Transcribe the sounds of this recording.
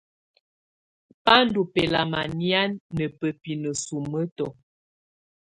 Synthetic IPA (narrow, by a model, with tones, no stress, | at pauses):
pa˦n˦du˨pɛ˨la˨ma˨nja˦nːə˨pə˨pi˨nə˨su˨mːə˦tɔ˨